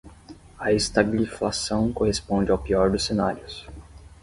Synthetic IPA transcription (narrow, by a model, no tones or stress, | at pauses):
ɐest̪abiliflasɐ̃w̃kohespõnd͡ʒɪawpiɔɾd̪ʊsːenaɾiʊs